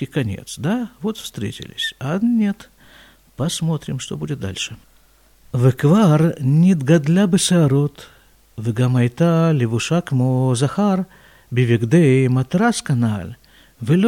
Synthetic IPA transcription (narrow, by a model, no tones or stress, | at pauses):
ɪkɐnʲḛt̪sd̪avot̪fst̪ɾʲḛtʲɪ̰lʲɪ̰sʲɐnʲet̪ | pɐsmo̞t̪ɾʲɪmʂt̪obudʲɪt̪̚d̪a̰lʲʂɨ | vɨkvarnʲɪd̪ɡɐd̪lʲabɨsɨɐɾot̪ | vɨɡamɐjt̪alʲɪvʊʂakmozɐxar | bʲɪvʲɪɡd̪ejmɐt̪ɾaskɐnalʲ | vɨlʲ